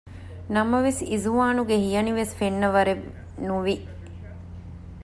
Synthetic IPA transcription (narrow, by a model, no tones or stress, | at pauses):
nɐmɐʋesizuʋaːnuɡehijɐniʋesfenːɐʋɐɾe | nuʋiʔ